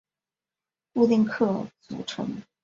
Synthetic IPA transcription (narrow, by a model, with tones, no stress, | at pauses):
u˥˧t̪i˥˧ŋkʰɤ˥˩t͡sṵ˨˩ʈ͡ʂʰɤ̰˧˥ŋ